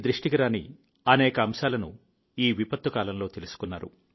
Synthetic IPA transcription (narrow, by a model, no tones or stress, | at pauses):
d̪ɾiʂʈiɡɐɾaːnḭ | ɐnɛːkɐːmʃaːlɐnṵ | iːʋipɐt̪ːukaːlɐmlo̞ːt̪elusu̥kunːaːɾṵ